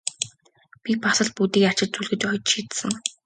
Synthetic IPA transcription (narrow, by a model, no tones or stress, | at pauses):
pʲipasə̆ɮput̪iːkar̥t͡ɕɪ̆t̪̚t͡suɮɣɘ̆t͡ɕɔj̆t̪ʃiːt̪sɘ̆ŋ